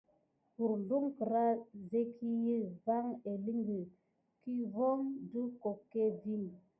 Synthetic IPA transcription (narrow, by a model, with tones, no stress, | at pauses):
ku˨ɾlu˦ŋkə˨ɾa˦ze˦kʰi˦ji˦va˦ŋe˨li˦ŋɡi˨ | ki˦vɔ˦ŋdu˦ko˨kːe˦vi˦n